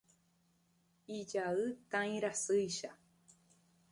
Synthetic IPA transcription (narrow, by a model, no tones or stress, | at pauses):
id͡ʒaɨt̪ãj̃ɾasɨjʃa